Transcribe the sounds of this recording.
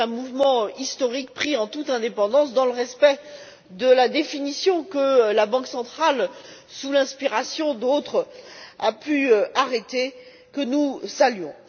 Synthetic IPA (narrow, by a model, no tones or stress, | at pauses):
ɛ̃muvmɑ̃ist̪ɔʁik̚pχiɑ̃t̪ut̪ɛ̃d̪epɑ̃d̪ɑ̃sd̪ɑ̃ləʁɛspɛ | d̪əlad̪efinisjɔ̃kəlabɑ̃ksɑ̃t̪χalsulɛ̃spiʁasjɔ̃d̪ot̪χapyaʁet̪e | kənusalɥɔ̃